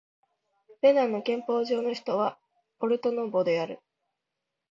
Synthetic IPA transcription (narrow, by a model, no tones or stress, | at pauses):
be̞nãnːo̞kẽ̞mpo̞ːʑo̞ːno̞çi̥t̪o̞βa | po̞ɾɯ̟t̪o̞no̞bo̞d̪e̞aɾɯ̟